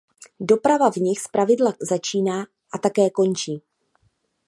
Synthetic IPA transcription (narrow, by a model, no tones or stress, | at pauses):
do̞pɾavavɲɪxspɾavɪdlazat͡ʃiːnaː | ʔat̪akɛːko̞nt͡ʃiː